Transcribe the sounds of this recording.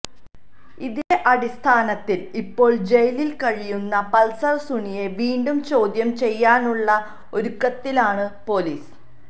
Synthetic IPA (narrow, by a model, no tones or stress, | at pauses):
iðeʔɐɽist̪ʰaːnɐt̪ːilipːo̞ːɭd͡ʑe̞jlilkɐɻijunːɐpɐlsɐrsuɳije̞ʋiːɳɖumt͡ɕo̞ːd̪jɐmt͡ɕe̞jːaːnuɭːɐ | o̞ɾukːɐt̪ːilaːɳɨpo̞liːs